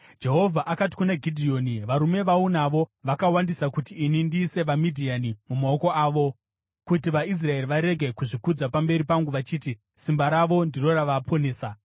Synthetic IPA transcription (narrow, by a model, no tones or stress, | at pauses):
d͡ʒe̞ɦo̞vʱaʔakati̥kunaɡʱidʱio̞niʋaɾume̞ʋaunaʋo̞ʋakawandisakutiːnindiːse̞ʋamidʱianimumao̞ko̞aːʋo̞ | kutiʋais̬rae̞riʋaɾe̞ɡʱe̞kuʐikud͡zapambe̞ɾipaŋɡuʋat͡ʃiːti | simbaɾaʋo̞ndiro̞raʋaːpʰone̞ːsa